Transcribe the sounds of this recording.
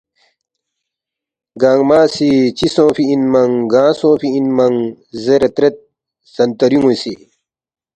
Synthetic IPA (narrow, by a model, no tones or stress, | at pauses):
ɡaːŋmaːsit͡ɕisõːfiinmɐŋɡãːsõːfiinmɐŋ | zɐɾɐt̪ɾɐt̪̚ | z̥ɐnt̪ɐɾiŋusi